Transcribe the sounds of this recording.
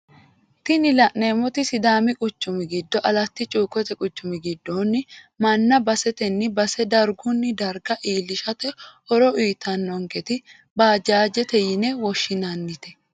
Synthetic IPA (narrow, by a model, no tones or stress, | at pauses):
t̪ɪnɪlɐʔneːmɔt̪ɪsɪd̪aːmɪkʼʊt͡ʃːʊmɪɡɪd̪ːɔʔɐlɐt̪ːɪt͡ʃʼuːkːɔt̪ɛkʼʊt͡ʃːʊmɪɡɪd̪ːoːnːɪ | mɐnːɐbɐsɛt̪ɛnːɪbɐsɛd̪ɐɾɡʊnːɪd̪ɐɾɡɐʔiːlːɪʃɐt̪ɛɔɾɔʔiːt̪ʰːɐnːɔŋkɛt̪ɪ | baːd͡ʒaːd͡ʒɛt̪ɛjɪnɛwɔʃːɪnɐnːɪt̪ɛ̥